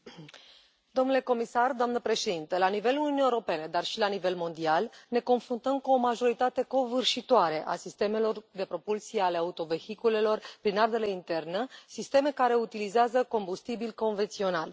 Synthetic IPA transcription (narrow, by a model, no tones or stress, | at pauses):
d̪o̞mnule̞ko̞misard̪oamnəpɾe̞ʃe̞d̪int̪əlanive̞lununiewɾo̞pe̞ned̪arʃilanive̞lmo̞nd̪ialne̞ko̞nfɾunt̪əmkuo̞maʒo̞ɾit̪at̪e̞ko̞vɨrʃit̪oaɾeʔa̰sist̪e̞me̞lo̞rd̪e̞pɾo̞pulsieale̞aut̪o̞ve̞hikule̞lo̞rpɾinard̪eleint̪e̞rnəsist̪e̞me̞kaɾe̞ut̪ilizeazəko̞mbust̪ibilko̞nve̞nt̪sio̞nal